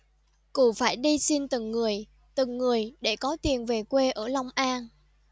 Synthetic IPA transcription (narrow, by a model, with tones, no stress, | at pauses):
ku˧˩faː˧˩jɗi˧si˧nt̪ɨ˨˩ŋːɨ˨˩əj | t̪ɨ˨˩ŋːɨ˨˩əjɗe˧˩kɔ˨˦t̪i˨˩ənve˨˩kwe˧ʔəː˧˩la˧wŋ͡mʔaː˧n